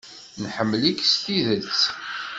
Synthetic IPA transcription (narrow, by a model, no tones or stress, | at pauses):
nħəmːlikst̪iðət͡sː